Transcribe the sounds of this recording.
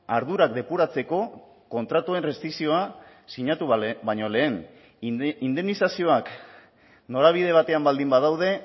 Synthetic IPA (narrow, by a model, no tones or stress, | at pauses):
aɾðuɾakd̪e̞puɾat͡se̞ko̞ | ko̞nt̪ɾat̪ue̞nre̞st̪ɾiksio̞a | siɲat̪ubajɲo̞le̞ːn | ind̪e̞nisasio̞ak | no̞ɾaβ̞ið̞e̞β̞at̪e̞ambald̪imbað̞awðe̞